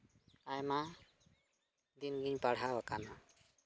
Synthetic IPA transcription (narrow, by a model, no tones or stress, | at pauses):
ajma | d̪inɡiɲpaɽ̤ʱawakana